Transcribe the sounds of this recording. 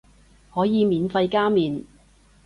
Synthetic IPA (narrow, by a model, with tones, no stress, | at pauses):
hɔː˨˥jiː˨˧miː˨˧nfɐ˧jkaː˥miː˨n